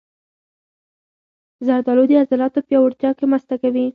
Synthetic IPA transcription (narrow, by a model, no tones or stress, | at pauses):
zaɾd̪ɑlod̪əazalɑt̪opjɑwaɾt̪jɑkemast̪akawi